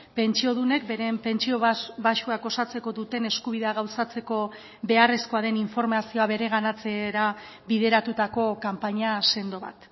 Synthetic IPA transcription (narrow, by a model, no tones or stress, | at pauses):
pe̞nt͡ʃio̞ðune̞kbe̞ɾe̞mpe̞nt͡ʃio̞ββaʃuaɡo̞sat͡se̞ko̞ðut̪e̞ne̞skuβ̞iðe̞aɣawsat͡se̞ko̞ | be̞are̞sko̞aðe̞niɱfo̞ɾmasio̞aβe̞ɾe̞ɣanat͡se̞ɾa | βið̞e̞ɾat̪ut̪ako̞kampaɲase̞nd̪o̞βa̰t̪